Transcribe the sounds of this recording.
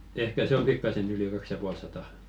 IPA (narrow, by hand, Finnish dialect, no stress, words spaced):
ehkæ se om pikːɑsen yli kɑks jɑ puɑl sɑtɑˑ